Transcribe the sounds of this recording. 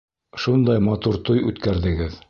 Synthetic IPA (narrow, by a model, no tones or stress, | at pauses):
ʃund̪ɑjmɑt̪uɾt̪ujʉt̪kæɾðɘ̆ɡɘð